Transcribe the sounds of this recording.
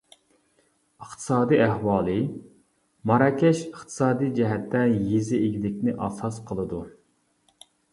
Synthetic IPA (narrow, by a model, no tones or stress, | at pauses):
əχt̪ʰɨ̥sɑːd̪iæhwɑːlˠɨ | mɑɾɑːkʲʰɛʃəχt̪ʰɨ̥sɑːd̪ijd͡ʒɛɦɛt̪ʰːɛjezɪeɡʲid̪ɪkʲnɪʔɑsɑsqʰəlˠɨd̪u